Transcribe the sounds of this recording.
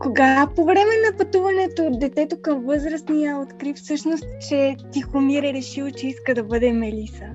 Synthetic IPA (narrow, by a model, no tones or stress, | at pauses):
koɡapovɾɛmɛnɐpɐt̪uvɐnɛt̪od̪ɛt̪ɛt̪okəmvɤzɾəsnijaot̪kɾifsɤʃnost̪t͡ʃɛt̪ixomiɾɛɾɛʃilˠt͡ʃɛiskəd̪ɐbɤd̪ɛmɛlisə